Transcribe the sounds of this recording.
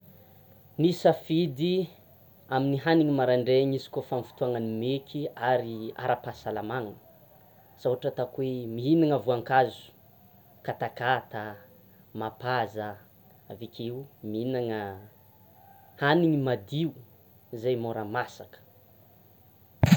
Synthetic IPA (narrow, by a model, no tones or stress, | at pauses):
nisəfid̪i | aminiɦaniŋimaɾaɳɖ͡ʐeɲisi̥kofamfi̥t̪uaŋənimekʰiaɾia̰ɾapasalamaŋə | sawɦaʈ͡ʂət̪akuemiɦinaŋəvuaŋkazu̥ | kat̪akat̪ə | mapazə | avikʰiumiinaŋə | haniŋimad̪iu | izajmoɾamasakə̥